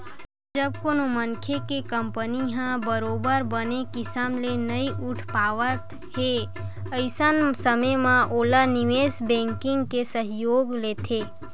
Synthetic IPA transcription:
d͡ʒəb̚konomənkʰekekəmpəniɦãbəɾoːbəɾbənekɪsəmlenəiʔʊʈʰpaːʋət̪ | ɦe | əɪsənsəməmãʔoːlanɪʋeːsbɛ̃ŋkɪ̃ŋɡkesəɦjoːɡleːt̪ʰe

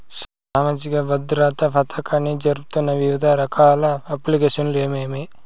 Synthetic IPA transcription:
s | aːmad͡ʒikɐbɐd̪ɾaːt̪ɐpʰɐt̪ʰɐkʰɐnid͡ʒɐɾupt̪unːɐʋiʋid̪ʱaɾɐkʰaːlɐɐplikeːʃɐnleːmeːmi

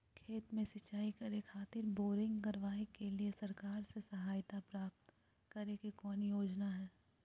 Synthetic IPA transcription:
kʰeːt̪mẽsɐt͡ʃːaːikɐɾekʰaːt̪ɪɾboːɾɪ̃ŋɡkɐɾʋaːekeliesɐɾkaːɾsesɐɦaːjt̪apɾaːp̚t̪ | kɐɾekikɔːnijoːd͡ʒnaɦɛː

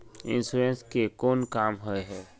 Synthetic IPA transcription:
ɪ̰̃nsuɾẽnskekoːnkaːmɦoeɦɛː

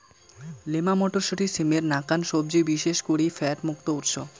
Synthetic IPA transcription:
lemamɔʈoɾʃoʈisemeɾnakanʃob̚d͡ʑebiʃeʃkoɽifɛʈmuk̚t̪outʃo

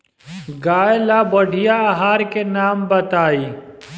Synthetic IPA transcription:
ɡaːelabɐɖʱijaɐɦaːɾkenaːmbɐt̪aːiː

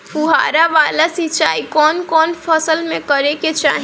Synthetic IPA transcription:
puɦa̰ɾaʋaːlasit͡ʃaːikɔːnkɔːnpʰəsəlmẽkəɾeket͡ʃaɦi

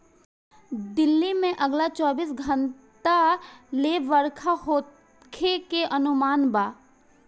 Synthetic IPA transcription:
d̪ɪlːimẽʔɐɡlat͡ʃɔːbiːsɡʱə̃nt̪aleːʋəɾkʰahoːt̪ | kʰekeʔɐnʊmaːnbaː

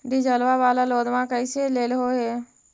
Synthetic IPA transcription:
ɾid͡ʒəlʋabaːlaloːd̪mãkəɪseleːlɦoɦe

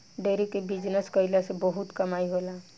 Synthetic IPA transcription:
ɖeɾikebid͡ʒnəskəjlasebɔɦut̪kəmajɦola

